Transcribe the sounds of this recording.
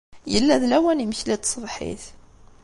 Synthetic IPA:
jəlːæðlæwæniməçlit̪sˤəbˤħḭθ

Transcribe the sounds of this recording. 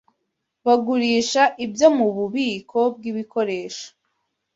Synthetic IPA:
βaɡuɾiːʃaʔibjo̞muβuβiːkʰo̞b̚ɡiβikʰo̞ɾe̞ːʃḁ

